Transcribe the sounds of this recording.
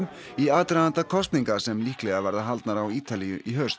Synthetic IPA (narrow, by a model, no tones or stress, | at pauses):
m | iaːt̪ɾaðant̪akʰɔst̪niŋkḁsɛmlihklɛɣavɛɾðaɦalt̪naɾawiːt̪alijʏʔiɦœɥst̪